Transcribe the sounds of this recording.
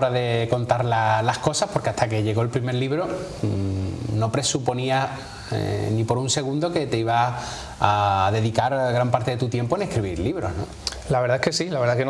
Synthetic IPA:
ɾaðe̞ko̞nt̪aɾlalahko̞sahpo̞ɾke̞aht̪ake̞ʝe̞ɣo̞elpɾime̞ɾliβɾo̞ | no̞pɾe̞supo̞nia | nipo̞ɾunse̞ɣ̞ũnd̪o̞ke̞t̪e̞iβa | aðe̞ðikaɾɣɾampaɾt̪e̞ðe̞t̪ut̪je̞mpo̞ene̞hkɾiβiɾliβɾo̞znõ̰ | laβe̞ɾðaekesilaβe̞ɾðaken

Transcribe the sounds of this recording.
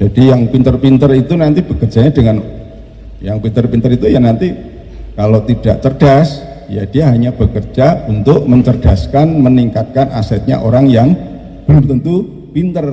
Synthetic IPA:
d͡ʒ̥adijaŋpint̪ərpint̪ərit̪unant̪ib̥əkərd͡ʒ̥aɲadəŋan | jaŋpint̪ərpint̪əɾit̪ujanant̪i | kalot̪id̥aʔt͡ʃ̪ərd̥as | ja̰d̥ijaɦaɲab̥əkərd͡ʒaunt̪ʊk̚məɲt͡ʃərd̥askanməniŋkat̪̚kanʔa̰sɛt̪̚ɲa̰ʔoɾaŋjaŋ | b̥əlʊmt̪ənt̪u | pint̪ər

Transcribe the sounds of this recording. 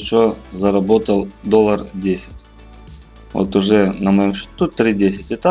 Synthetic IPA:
t͡ɕozɐɾɐbo̞t̪əlˠd̪olˠərdʲesʲɪ̥tʲ | vo̰t̪ʊʐɛnəmɐjomɕɪ̥t̪ut̪ɾʲidʲesʲɪtʲɪt̪a

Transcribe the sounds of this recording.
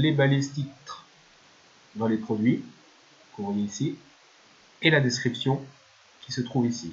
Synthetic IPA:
lebalest̪it̪χ | d̪ɑ̃lepχɔd̪ɥi | kɔ̃viisi | elad̪eskχipsjɔ̃ | kʲi̥sət̪χuvisḭ

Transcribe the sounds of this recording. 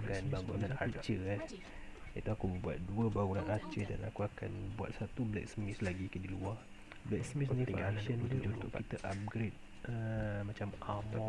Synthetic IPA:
kanbaɡunanat͡ʃəa | ḭt̪uakubəbuat̪̚duəbaɡunanat͡ʃəda̰na̰kuaka̰nbua̰t̪̚sat̪ublɛ̰k̚səmɪslaɡikədiluah | blɛksəmisnĩaʃənt̪ud͡ʒnt̪ʊʔkit̪əʔap̚ɡɾet̚ | ʔəmat͡ʃamap

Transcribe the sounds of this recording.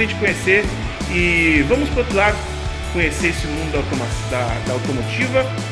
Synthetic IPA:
ẽt͡ʃɪ̥kõɲeseɾ | ɪvɐ̃mʊspoɾot̪ɾʊlad̪ʊ | kõɲeseɾesɪmũd̪ʊd̪ɐawt̪omasd̪ɐd̪ɐawt̪omot͡ʃivɐ

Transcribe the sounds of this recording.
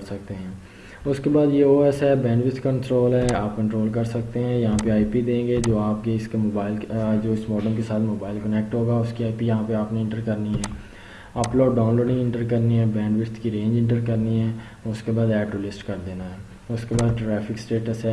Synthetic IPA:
ɾsɐk̚t̪eɦɛ̃ː | ʊskebaːd̪jeoːɛsɦɛːbɛ̃ːɳɖʋɪst̪kə̃ɳʈɾoːlɦɛːaːp̚kɐ̃ɳʈɾoːlkɐɾsɐk̚t̪eɦɛ̃ːjɐɦãpeaːipid̪ẽːŋɡed͡ʒoːaːp̚keɪskemoːbaːɪld͡ʒoːɪsmɔːɖəmkesaːt̪ʰmoːbaːɪlkənɛk̚ʈɦoːɡaːʊskiaːipijɐɦãpeaːpneɪ̃ɳʈəɾkɐɾniɦɛː | ɐploːɖːãːnloːɖɪ̃ŋɪ̃ɳʈəɾkɐɾniɦɛːbɛ̃ːɳɖʋɪɾt̪kiɾẽːɲd͡ʒɪ̃ɳʈəɾkɐɾniɦɛː | ʊskebaːd̪ɛːɖolɪsʈkɐɾd̪eːnaɦɛː | ʊskebaːd̪ʈɾɛːfʰɪksʈeːʈəsɦɛː

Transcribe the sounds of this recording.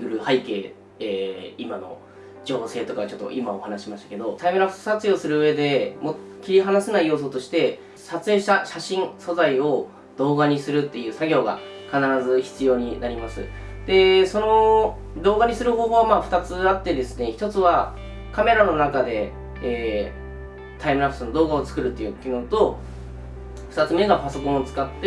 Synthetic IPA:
ɯ̟ɾɯ̟haike̞ː | eːimano̞̰ | d͡ʑo̞ːse̞ːt̪o̞kaβat͡ɕo̞t̪ːo̰ʔimao̞hanaɕimaɕi̥t̪ḁke̞d̪o̞t̪aimeɾḁsat͡sɨjo̞ːsɨɾɯ̟ɯ̟e̞d̪e̞mo | kʲiɾʲiɦanasenaijo̞ːs̬o̞t̪o̞ɕi̥t̪e̞ | sat͡sɨe̞ːɕt̪aɕaɕĩɰ̃so̞zaio̞ | d̪o̞ːɡaɲ̟isɨɾɯ̟t̪ːe̞jɯ̟ːsaɡʲo̞ːɡa̰ | kanaɾazɨçi̥t͡sɨjo̞ːɲ̟inaɾʲimasɨ̰ | d̪̥e̞so̞no̞ | d̪o̞ːɡaɲ̟isɨɾɯ̟ho̞ːɦo̞ːβamaːɸɯ̥t̪at͡sɨat̪ːe̞d̪e̞sɨne̞çi̥t̪o̞t͡sɨβa | kame̞ɾano̞nakad̪e̞ː | t̪aimɯ̟ɾakɯ̟sonod̪o̞ːɡao̞t͡sɨ̥kɯ̟ɾɯ̟t̪ːe̞jɯ̟ːkʲinoːt̪o̞ | ɸɯ̟t̪at͡sɨmieɡapaso̞kõ̞ɰ̃ot͡sɨ̥kat̪ːe

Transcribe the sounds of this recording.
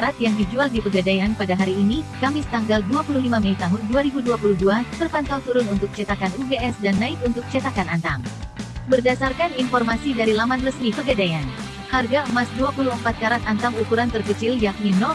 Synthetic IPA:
ɾat̪jaŋdid͡ʒualdipəɡadajanpadaɦaɾiːnikamɪst̪aŋɡalduapululimaməit̪aɦʊnduaɾibuduapuluduat̪ərpant̪awt̪uɾʊnunt̪ʊk̚t͡ʃat̪akanubeɛsdanːaɪt̪̚unt̪ʊk̚t͡ʃat̪akanant̪aŋbərdasarkaninfɔrmasidaɾilamanrəsmipəɡadajan | harɡamasduapuluəmpat̪̚kaɾat̪ant̪aŋukuɾant̪ərkət͡ʃɪljak̚nino

